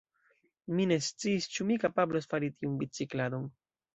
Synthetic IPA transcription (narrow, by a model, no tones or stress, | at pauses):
mine̞st͡siːst͡ʃumikapablosfaɾitiunbit͡siklado̞n